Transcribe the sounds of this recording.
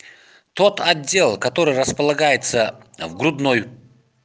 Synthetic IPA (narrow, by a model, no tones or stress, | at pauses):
t̪ot̪ʰɐdʲːe̞lˠkɐt̪o̞ɾɨjɾəspəlˠɐɡajɪt̪səvɡɾʊd̪noj